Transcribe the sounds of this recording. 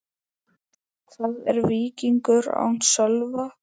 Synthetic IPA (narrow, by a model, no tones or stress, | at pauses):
θaðɛ̰ɾviːciŋkʏɾa̰wn̥sœlva